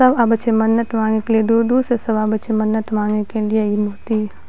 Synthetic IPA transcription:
sɐbabɐt͡ʃʰemɐnːət̪mãːŋnekelied̪ud̪uːsɾesɐbaːbɐt͡ʃʰemɐnːət̪mãːŋnekelieimoːt̪iː

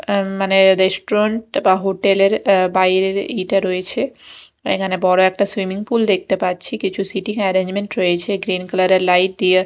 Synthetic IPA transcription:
maneɾesʈoɾaɳʈbaɦoʈeleɾbajɾeɾiʈaɾojet͡ɕʰeḛkʰanebɔɾoɛk̚ʈaswimiŋpuld̪ek̚ʰt̪epatːt͡ɕʰikit͡ɕʰusiʈiŋɛɾeɲd͡ʑmeɳʈɾojet͡ɕʰeɡɾinklaɾeɾlajʈ̚d̪ije

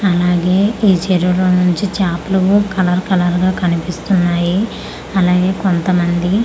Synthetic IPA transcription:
ɐlaːɡe̞ːiːt͡ʃeɾuloːnuɲt͡ʃit͡ʃaːplɐʋukɐlɐɾkɐlɐɾɡaːkɐnipist̪unːaːji | ɐlaːɡe̞ːko̞nt̪ɐmɐnd̪i

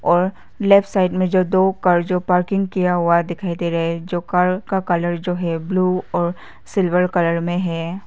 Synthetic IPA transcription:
ɔːɾ | lɛːpsaːɪʈmẽd͡ʒoːd̪oːkɐɾd͡ʒoːpaːɾkɪ̃ŋɡkijaɦuad̪ɪkʰaːid̪eɾɐɦed͡ʒoːkɐɾkakɐləɾd͡ʒoːɦɛbluːɔːɾ | sɪlʋəɾkɐləɾmẽɦɛː

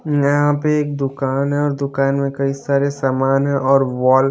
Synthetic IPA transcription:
jɐɦãpeeːk̚d̪ʊkaːnɦɛ̃ɔːɾd̪ʊkaːnmẽkɐisaːɾesaːmaːnɦɛ̃ʔɔːɾʋɔːl

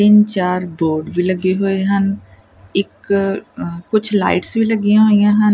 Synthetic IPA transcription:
t̪ɪnt͡ʃaːɾboːɾɖbʱilɐɡeɦoeɦə̃n | ɪkː | ʊt͡ʃʰla̰ːɪʈsbʱilɐɡijãɦoːijãɦən

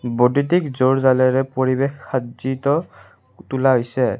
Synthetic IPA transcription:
bodit̬ikzoɹzalɛɹɛpoɹibexazitɔ | tulaɦojsɛ

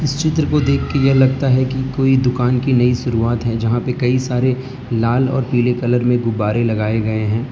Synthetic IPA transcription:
ɪst͡ʃɪt̪ɾəkod̪eːkʰːejɐɦlɐɡ̚t̪aɦɛkikoːid̪ʊkaːnkinɐiʃʊɾuaːt̪ɦɛd͡ʒɐɦãpekɐisaːɾe | laːlɔ̰ːɾpiːlekɐləɾmẽɡʊbaːɾelɐɡaːeɡɐeɦɛ̃ː

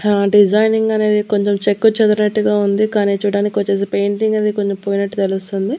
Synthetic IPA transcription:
ɖid͡ʒajniŋɡɐne̞ːd̪iko̞ɲt͡ʃemt͡ʃekːut͡ʃɛd̪ɐɾɐnɐʈːuɡaːund̪ikaːniːt͡ʃuːɽaːnikʲːiʋot͡ʃːeːs̬epe̞jɳʈiŋɡɐnːd̪ikoɲt͡ʃempoːjinɐʈːut̪elust̪und̪i

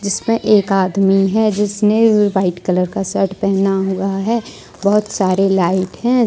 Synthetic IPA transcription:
d͡ʒɪsmẽʔeːkaːd̪miɦɛd͡ʒɪsneʋaːɪʈkələɾkasəɾʈpɛɦnaɦʊaɦɛː | bɔɦʊt̪saːɾelaːɪʈɦɛ̃

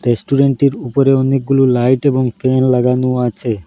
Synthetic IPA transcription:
ɾesʈuɾeɳʈiɾupoɾeonik̚ɡululajʈeboŋfenlaɡanoat͡ɕʰe

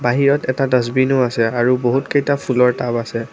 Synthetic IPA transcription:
baɦiɹɔtɛtadɔzbinʊasɛaɹuboɦutkejtapʰulɔɹtabasɛ

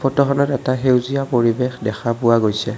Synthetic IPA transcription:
pʰɔtɔxɔnɔtɛtaɦewzijapoɹibexdɛxʰapʊwaɡojsɛ

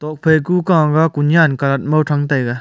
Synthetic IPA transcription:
t̪ɔk̚pʰekukaŋɡakunjankalɐt̪̚mowʈ͡ʂʰaŋt̪ajɡa

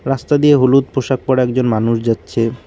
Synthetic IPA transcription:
ɾast̪ad̪ijeɦulut̪̚poʃak̚pɔɾɛk̚d͡ʑonmanuʃd͡ʑatːɕʰe

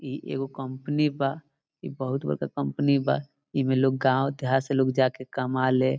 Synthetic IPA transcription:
iʔḛɡokəmpniba | ḭbəɦʊt̪bəɾkakəmpniba̰ | imeloːɡ̚ɡãːwd̪ʱjaseloːɡd͡ʒakekəmale

